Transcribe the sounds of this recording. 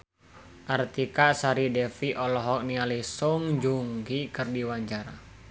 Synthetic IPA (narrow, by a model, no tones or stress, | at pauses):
ʔart̪ikaʔsaɾidɛfiʔɔlɔɦɔk̚nialisɔŋd͡ʒuŋɡikərdiwaɲt͡ʃaɾa